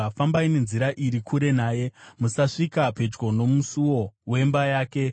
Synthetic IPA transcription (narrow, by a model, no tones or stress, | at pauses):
afambaine̞nziɾaʔiɾikʰuɾe̞naːje̞musaʂikape̞d͡ʒɡo̞no̞musuwo̞we̞mbajaːke̞